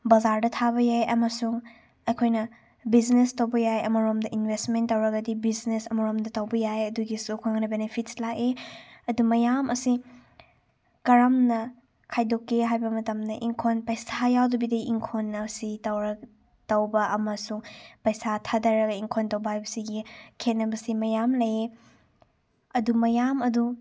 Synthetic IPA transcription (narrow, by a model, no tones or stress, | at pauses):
bɐzaɾdɐtʰaβɐjajʔɐmɐsuŋ | ɐjkʰojnɐ | biznestɐwbɐjajɐ̰mɐɾomdɐʔinbʱestmentːɐwɾɐɡɐdibiznesɐmɐɾomdɐtɐwbɐjajɐduɡisokʰoŋnɐbenepʰit̚slakeɐdumɐjamʔɐsi | kɐɾɐmnɐ | kʰajdokːeɦajbɐmɐtɐmdɐʔiŋkʰonpɐjsajawdɐbidɐʔiŋkʰonːɐsitɐwɾɐ | tɐwbɐʔɐmɐsuŋpɐjsatʰadɐɾɐkɐiŋkʰontɐwbɐɦajbɐsiɡikʰenːɐbɐsimɐjamlɐje | ɐdumɐjamɐdu